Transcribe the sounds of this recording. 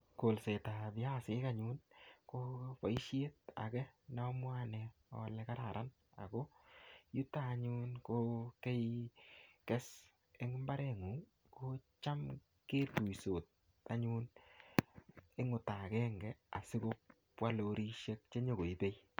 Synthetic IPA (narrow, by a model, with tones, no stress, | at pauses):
ko˨lse˨ta˨bɪ˦a˦sɪ˦ka˦ɲunko˦pa˨i˦ʃe˦t̚a̰˨kɛ˦nɔ˦mwa˦nɛ˨ɔ̰˨lɛka˦ɾa˨ɾʔa˦n | a̰˨ko˦ju˦taː˦ɲunkoke˦j | kɛ˦s | e˦ŋmba˦ɾɛ˦ŋu˨ŋ | kot͡ʃa˦m | ke˦tu˨jso˨t̚ | a˦ɲu˦n | e˦ŋʊ˨ta˨kɛ˦ŋɡɛ˦a̰˨sɪ˦ko˦ | pwa˦loɾi˦ʃe˦k̚t͡ʃe˦ɲo˨ɡo˨i˦be˦j